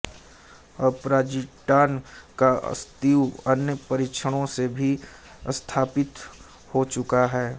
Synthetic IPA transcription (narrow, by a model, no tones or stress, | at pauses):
ɐpɾaːd͡ʒiʈaːnka̰st̪iːwɐnjəpɐɾɪt͡ʃʰəɽ̃õsebʱi | st̪ʰaːpɪt̪ | hot͡ʃʊkaɦɛː